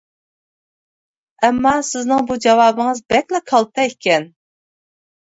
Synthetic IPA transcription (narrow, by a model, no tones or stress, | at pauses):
ɛmːɑsɪznɪŋbud͡ʒɑwɑːbɨŋɨzbɛkʲlɛkʰɑlˠt̪ʰɑekʲʰɛn